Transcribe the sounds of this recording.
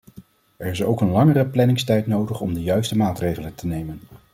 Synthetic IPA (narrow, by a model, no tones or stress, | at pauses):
ɛɹɪsowkənlɑŋərəplɛnɪŋstɛjtnowdəχɔmdəjœɥstəmaːtrejχələntənejmən